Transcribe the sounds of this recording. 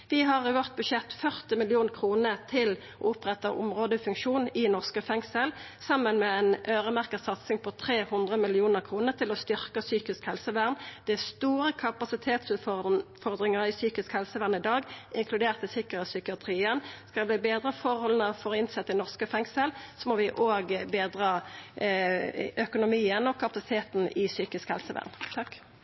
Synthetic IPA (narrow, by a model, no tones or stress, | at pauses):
ʋɪɦɑʁɪʋɔʁt̪̚bʉʃɛt̪ːfœʁt̪ɪmɪlɪuːnkʰʁuːnət̪ʰɪl | ʔo̰ːʊpʁɛt̪ːɑʔʊ̰mʁoːd̪əfʉŋkʃuːnɪnɔʁskəfɛŋsəl | sɑmənmɛɛnʔøːʁəmæʁkəsɑt̪sɪŋpʰɔt̪ʰʁeːhʊnd̪ʁəmɪlɪuːnəʁkʰʁuːnət̪ʰɪlɔst̪ʏʁkəsyːkɪskhɛlsəʋæʁnd̪̥ɛst̪uːʁəkʰɑpɑsɪt̪ʰeːt̪sʉːt̪fɔʁd̪ʁɪŋəʁɪsyːkɪskhɛlsəʋæːʁnəɪd̪ɑːɡɪŋkʰlʉd̪eːʁt̪ɪsɪkəʁəsʏkɪɑt̪ʰʁiːənskɑd̪bliːbeːd̪ʁəfɔɾhɔlənɑʋfɔʁɪnsɛt̪ːəɪnɔʁskəfɛŋsəlsɔmɔʋɪʔoːɡbeːd̪ʁɑː | œkʊnʊmiːənɔkʰɑpɑsɪ̥t̪ʰeːt̪nʔɪsyːkɪskhɛ̰lsəʋæ̰ːʁnt̪ʰɑk